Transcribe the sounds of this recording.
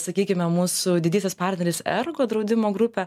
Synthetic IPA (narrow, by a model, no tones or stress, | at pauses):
sɐkʲiːkʲɪmʲɛmuːsʊd̪ʲɪd̪ʲiːsʲɛspɑːɾʲt̪ʲnʲɛɾʲɪːsɛ̰ɾɡoːd̪ɾɐʊd̪ʲɪmoːɡɾʊpʲɛ